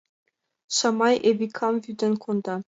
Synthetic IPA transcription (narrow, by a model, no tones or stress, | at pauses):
ɕɑmɑjʔebʲikʰɑmvʲyd̪ʲɘ̆nʲkʰund̪ɑ